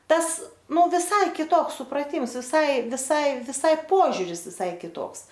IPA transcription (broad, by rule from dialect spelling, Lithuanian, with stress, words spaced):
ˈtɐs ˈnʊ ʋʲɪˈsɐɪ kʲɪˈtoːks sʊprɐˈtʲɪms ʋʲɪˈsɐɪ ʋʲɪˈsɐɪ ʋʲɪˈsɐɪ ˈpoːʒʲʊrʲɪs ʋʲɪˈsɐɪ kʲɪˈtoːks